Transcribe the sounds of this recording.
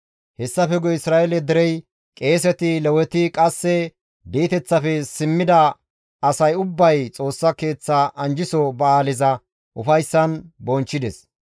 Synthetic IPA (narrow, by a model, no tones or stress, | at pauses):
hɛsːɐfɛɡɔɪsɾaːʔelɛd̪ɛɾɛj | kʼe̞ːs̬ɛt̪ɪlɛwɛt̪ɪkʼɐsːɛ | biːt̪ɛt͡sːɐfɛsɪmːɪd̪ɐ | ɐsɐjʊbːɐjt͡sʼo̞ːsːɐke̞ːt͡sːaʔɐnd͡ʒɪsɔbɐaːlɪzɐ | ʔʊfɐjsːɐnbɔnt͡ʃːɪd̪ɛs